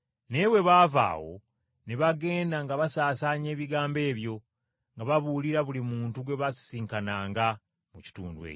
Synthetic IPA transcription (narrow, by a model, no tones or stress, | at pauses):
ne̞we̞βaːva̰ːwo̞̰ | neβaɡe̞ːndaŋɡaβasaːsaːɲe̞ːβiɡaːmbe̞ːβjo̞ | ŋɡaβaβuliɾaβulimuːntuɡwe̞βasi̥siːŋkanaːŋɡa | muci̥tṵːndwḛːco